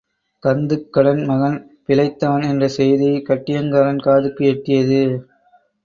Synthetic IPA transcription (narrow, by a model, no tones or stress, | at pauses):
kɐnd̪ɯkːɐɽɐnmɐɣɐn | pɪɭɐɪt̪ːɐʋɐnɛndrɐsɛjðikɐʈːɪjɐŋɡaːɾɐnkaːðɯkːɯɛʈːɪjɐðɯ